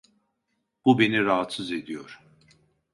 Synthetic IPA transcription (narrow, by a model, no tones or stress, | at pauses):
b̥ube̞niɾaɦat̪sɯze̞d̪ijoɾ̥